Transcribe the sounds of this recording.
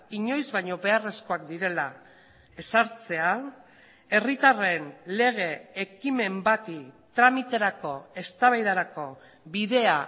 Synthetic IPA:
iɲo̞jzβaɲo̞βe̞are̞sko̞akd̪iɾe̞la | e̞saɾt͡se̞a | e̞rit̪are̞nle̞ɣ̞e̞ːkime̞mbat̪it̪ɾamit̪e̞ɾako̞e̞st̪aβajðaɾako̞ | biðe̞a

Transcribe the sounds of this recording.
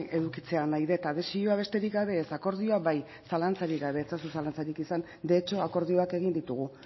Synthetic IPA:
e̞ðukit͡se̞anajðe̞t̪aðe̞sio̞aβ̞e̞st̪e̞ɾikɡɡaβe̞ːsako̞ɾð̞io̞aβaj | salant͡saɾiɣɡaβe̞t͡sasus̬alant͡saɾikisan | d̪e̞t͡ʃo̞ako̞ɾð̞io̞ake̞ɣ̞ind̪it̪uɣ̞u

